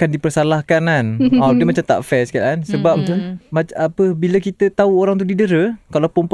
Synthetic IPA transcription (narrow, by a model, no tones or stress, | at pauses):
kandipərsalahkananadəmat͡ʃamt̪a̰ʔfɛsə̥kalansəbap̪maapəbiləkit̪ət̪auoɾaŋt̪̬udidəɾəkalawpəmp